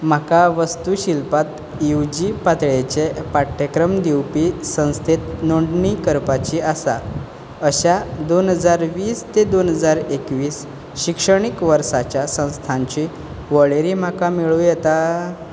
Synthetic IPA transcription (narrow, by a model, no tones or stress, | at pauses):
m̤akaʋəst̪uɕilpat̪ | juwd͡ʑipat̪ɭet͡ɕepaʈʰːekɾəmd̪iwpiːsə̃w̃st̪ʰet̪noɳɖnikəɾpat͡ɕiːasa̰ | əɕad̪onɦəd͡zaɾʋiːst̪ed̪onɦəd͡zaɾekʋiːs | ɕikʂəɽ̃ikʋəɾsat͡ɕjasə̃w̃st̪ʰãɲt͡ɕi | ʋəɭeɾiːm̤akamiɭujɛt̪a